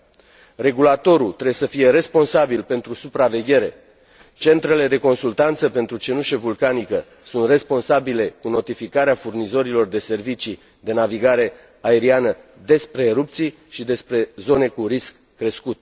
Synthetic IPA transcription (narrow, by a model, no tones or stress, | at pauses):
re̞ɡulat̪o̞ɾult̪ɾesəfije̞ɾe̞spo̞nsabilpe̞nt̪ɾusupɾave̞ɡʲe̞ɾe̞ | t͡ʃe̞nt̪ɾe̞le̞d̪e̞ko̞nsult̪ant̪səpe̞nt̪ɾut͡ʃe̞nuʃevulkanikə | sunt̪re̞spo̞nsabile̞kuno̞t̪ifikaɾeafurnizo̞ɾilo̞rd̪e̞se̞rvit͡ʃi | d̪e̞naviɡaɾe̞ | ae̞ɾianəd̪e̞spɾe̞ːɾup̚t̪sij | ʃid̪e̞spɾe̞zo̞ne̞kuɾiskːɾe̞skut̪